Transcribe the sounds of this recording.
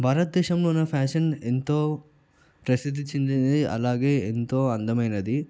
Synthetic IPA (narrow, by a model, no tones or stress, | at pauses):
bʱaːɾɐt̪̚d̪ɛːʃɐmloːnɐpʰaːʂɐnent̪o̞ː | pɾɐsid̪iɲt͡ʃːind̪ind̪iʔɐ̰laːɡe̞ːent̪o̞ːɐnd̪ɐmɐjnɐd̪i